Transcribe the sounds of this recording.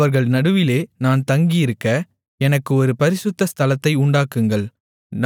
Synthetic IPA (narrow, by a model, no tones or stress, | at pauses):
ɐɾɣɐɭnɐɽɯʋɪleːnaːnt̪ɐŋɡijɪɾɯkːɐ | ɛnɐkːɯɔɾɯpɐɾɪsɯt̪ːɐst̪ʰɐlɐt̪ːɐɪʊɳɖaːkːɯŋɡɐɭ | n